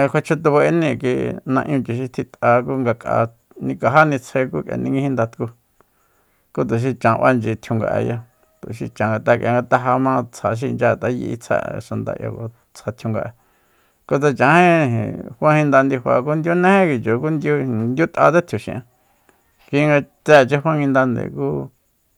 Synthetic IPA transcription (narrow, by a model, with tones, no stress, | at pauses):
kʷe˧t͡ʃʰu˧t̪u˧βa˧e˧nĩ˧˨ki˧nã˧ʔj̃ɲũ˧t͡ʃi˨ʃ̬i˧t̪ʰi˧t̪a˧ku˦ŋɡa˧kʼa̰˧ | nĩ˧ka˧ɦa˦nĩ˧t͡sʰe˧ku˦kja̰˧nĩ˧ŋɡĩ˧hĩ˧nd̪a˧t̪ku˧ | ku˦t̪̬u˨ʃ̬i˧t͡ʃã˨˧ʔa˦nd͡ʒi˧t̪ʰju˧ŋɡa̰˧ʔḛ˧ja˧ | t̪ṵ˨ʃḭ˧t͡ʃã˨ŋɡa˧t̪a˧kʲʔã̰˧ŋɡa˧t̪a˧ɦa˧mã˦˧t͡sʰa˨ʃ̬i˧nd͡ʒa˦˧˨t̪a˦jḭ˧ʔḭ˧t͡sʰa̰˦˨˧ʃa˧nd̪a̰˧˨ʔja̰˧ko˧ | t͡sʰha˧t̪ʰju˧ŋɡa˧ʔa˧ | ko˦t͡sa˧t͡ʃã˨˧hẽ˦ḭ̃˨hʷã˦hĩ˧nd̪a˧nd̪i˧hwʷa̰˧k̬u˦nd̪ju˦nẽ˦hẽ˦ki˧t͡ʃo˨ku˦nd̪ʲju˦nd̪ju˦t̪ʔa̰˧t͡se˦t̪ʰju˨ʃḭ̃˧˨ʔã˧ | ki˧ŋɡa˧t͡sɛ˦˨t͡ʃe˦ɦwʷã˦ŋɡĩ˧nd̪a˧nd̪ḛ˨kuː˦